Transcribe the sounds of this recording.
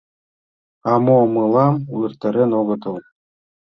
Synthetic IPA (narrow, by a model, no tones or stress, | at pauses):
ɑmomɯlˠɑmurt̪ːɤɾʲenoɡɤ̆t̪ɤ̆lˠ